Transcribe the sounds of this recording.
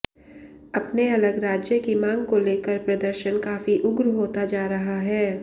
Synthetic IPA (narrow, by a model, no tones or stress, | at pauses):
ɐpneɐləɡɾaːd͡ʒjəkimãːŋɡkoleːkəɾpɾɐd̪əɾʃənkaːfiʔʊɡɾɦoːt̪ad͡ʒaːɾɐɦaɦɛː